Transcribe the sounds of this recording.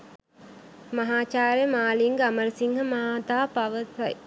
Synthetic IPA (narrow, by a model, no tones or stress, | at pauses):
mɐɦaːt͡ʃaːɾjəmaːliŋɡɐməɾəsiŋhɐmaaːt̪aːpɐʋəsɐj